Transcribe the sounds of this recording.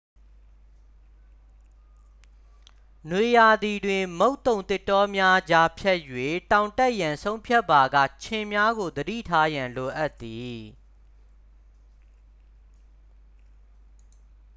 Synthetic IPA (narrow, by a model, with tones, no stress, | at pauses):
nwe˨ja˨d̪i˨dwɪ̃˨mo˦ʊ̃t̪ːõ˨ʊ̃nt̪ɪ˦˨tːɔ˦mja˦d͡ʑa˦pʰjɛ˦ʔjwe˦˨tã˨ʊ̃ntɛ˦ʔjã˨nsʰõ˦ʊ̃mpʰjɛ˦pːa˨ɡa̰˦˨t͡ɕʰɪ̃˨mja˦ɡo˨d̪ədḭ˦˨tʰa˦jã˨nlo˨ʔa˦t̪ːi˨